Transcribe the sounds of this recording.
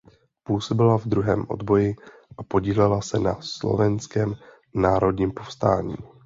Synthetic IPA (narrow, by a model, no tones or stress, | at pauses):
puːso̞bɪlavd̪ɾuɦɛːmʔo̞̰d̪bo̞jɪ | ʔapo̞ɟiːlɛlasɛna̰slo̰vɛnskɛːm | naːɾo̞dɲiːmpo̞fst̪aːɲḭː